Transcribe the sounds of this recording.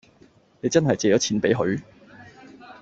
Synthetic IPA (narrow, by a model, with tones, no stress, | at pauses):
ne˨˧jt͡sɐ˥nhɐ˨jt͡seː˨˧jɔː˨˥t͡sʰiː˨˥npe˨˥jɦɵ˨˧ɥ